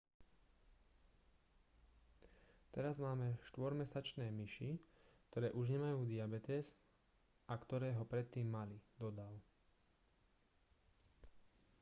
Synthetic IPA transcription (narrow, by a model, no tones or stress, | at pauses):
t̪ɛɾazmaːmɛʃt̪ʋɔɾmɛsat͡ʃnɛːmiʃik̚t̪ɔɾɛːʔuʒɲɛmajuːd̪iabɛt̪ɛz | ʔakt̪ɔɾɛːɦɔpɾɛt̪ːiːmːalid̪ɔd̪aʊ